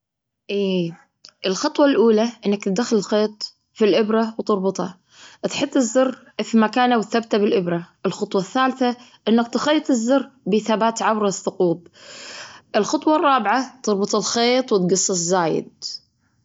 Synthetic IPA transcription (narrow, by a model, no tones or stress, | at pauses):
ʔiː | ʔɪlxɑt̪ˤwɑlʔuːlaʔɪnːakt̪ɪd̪axɪlɪlxeːt̪ˤ | filʔɪbɾawt̪ɨɾˤbʊt̪ˤhɑ̰ | ʔt̪ħɪt̪ˤːɪzːɑrˤː | fimakaːnawɪt̪θabt̪abɪlʔɪbɾaʔɪlxɑt̪ˤwɑθːaːlθaʔɪnːakt̪ɪxɑjːt̪ˤɪzːɑrːbɪθabaːt̪ʕabɾˤɑθːʊquːb̚ | ʔɪlxɑt̪ˤwɑrˤːɑːbʕat̪ɨɾˤbɨt̪ˤɪlxeːt̪ˤwɪt̪ɡɑsˤːɨszaːjɪ̰d̪̚